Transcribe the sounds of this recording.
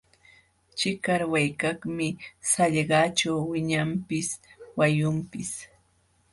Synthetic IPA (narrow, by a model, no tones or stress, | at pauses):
t͡ʃɪkaɾwajkaχmɪsaʎɢɑːt͡ʃawwɪɲampɪswajʊmpɪs